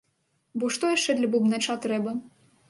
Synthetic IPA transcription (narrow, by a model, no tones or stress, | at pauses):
bɔʂt̪ɔjaʂt͡ʂɛd̪lʲɐbubnɛt͡ʃat̪ɾɛbɐ